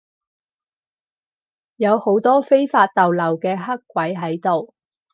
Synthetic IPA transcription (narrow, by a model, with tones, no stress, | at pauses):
jɐ˨˧who˨˥wt̪ɔː˥fe˥jfaː˧t̚t̪ɐ˨wlɐ˨˩wkɛː˧ɦɐ˥kːʷɐ˨˥jɦɐ˨˥jt̪o˨w